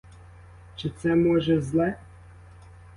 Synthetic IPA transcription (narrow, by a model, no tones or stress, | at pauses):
t͡ʃɪt̪sɛmɔʒɛzlˠɛ